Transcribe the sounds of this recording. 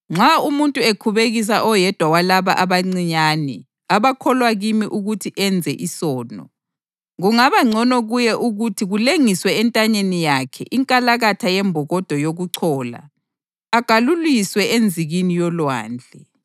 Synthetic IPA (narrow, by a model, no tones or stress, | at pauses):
ŋ͡ǁʱaumuntʼuekʰuβeɣis̬aʔɔjɛd̥ʱwawalaβa̰ʔaβaŋ͡ǀiɲaːnɛ | aβakʰɔlwaɣimiʔuɣutʰiʔɛnd͡zʱɛʔisɔːnɔ | ɣuŋaβaŋ͡ǀʱɔnɔɣujɛʔuɣutʰiɣuleŋiswɛːntʼaɲenijakʰɛ̰ʔiŋkʼalaɣatʰajɛmbʱɔɣɔd̥ʱɔjoɣuǀʰɔːla̰ː | ɡ̥ʱaluliswɛʔend͡zʱiɣinijɔlwa̰ːnd͡ɮʱɛ